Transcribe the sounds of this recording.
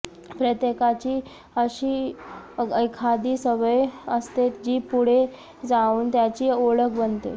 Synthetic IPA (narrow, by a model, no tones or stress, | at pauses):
pɾət̪jekat͡ɕiː | əɕiː | ekʰad̪iːsəʋəjəst̪et̪d͡ʑiːpuɽ̤e | d͡zauːnt̪jat͡ɕiːoɭəkʰbənt̪ḛ